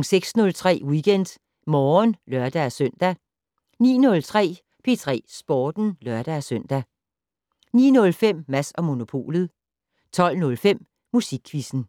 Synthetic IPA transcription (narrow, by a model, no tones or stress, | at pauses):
ŋseɡ̥snɔ̽lt͡sʰʁɛ̰ːwiɡ̥en̰d̥ | mɒːnlɶɐd̥æsøn̰d̥æ | nḭːnɔ̽lt͡sʰʁɛ̰ː | pʰe̝t͡sʰʁɛ̰ːsb̥ɒːd̥n̩lɶɐ̰d̥æsøn̰d̥æ | nḭːnɔ̽lfem̰ːæsɒ̽mo̝no̝pʰo̝̰ːlð̩ˠ | t͡sʰɒ̽l̰nɔ̽lfem̰ | mːusiɡ̥ʰʋisn̩